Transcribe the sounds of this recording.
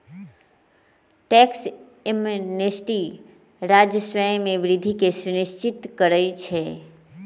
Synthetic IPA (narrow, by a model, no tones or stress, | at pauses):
ʈɛːks | emnesʈi | ɾaːd͡ʒjəswə̃mẽʋɾɪd̪ʱikesʊnɪʃt͡ʃɪt̪kəɾət͡ʃʰɛː